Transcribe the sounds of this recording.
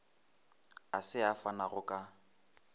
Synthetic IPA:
asɪafanaɣʊkʼa

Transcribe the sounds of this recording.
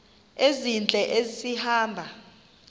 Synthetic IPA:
ezint͡ɬʼɛʔezisihaːmbʱa

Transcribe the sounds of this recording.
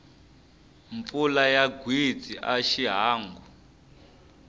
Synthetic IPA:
ɱfulajaɡwit͡siʔaʃiɦaːŋɡu

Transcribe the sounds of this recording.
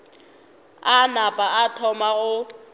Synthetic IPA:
anapʼaatʰɔmaɣʊ

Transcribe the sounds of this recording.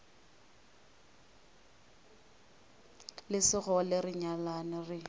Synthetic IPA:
lɪsɪɣɔlɪrɪɲalanɪrɪ

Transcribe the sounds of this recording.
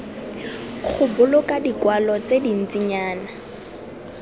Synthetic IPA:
χʰʊbʊlʊkʼadikwalɔt͡sedin̩t͡siɲaːna

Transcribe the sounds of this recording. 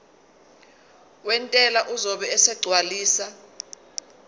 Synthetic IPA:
wɛntʼɛlaʔuzɔɓɛɛsɛɡ͡ǀʱwaliːsa

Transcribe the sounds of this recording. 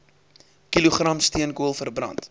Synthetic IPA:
kiluχrɐmstiənkuəlˠfərbrɐ̰nt

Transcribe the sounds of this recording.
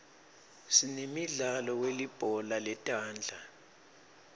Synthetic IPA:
sinemiɮalɔwelib̥ʱɔlalɛtʼaːnd͡ɮʱa

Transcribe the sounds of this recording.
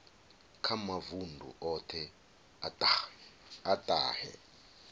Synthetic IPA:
kʰamavundʱṵʔɔtʰɛ | atʼ | atʼa̰ːhɛ̰

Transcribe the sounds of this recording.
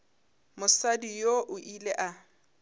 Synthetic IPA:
mʊsadijoʔʊʔileʔa

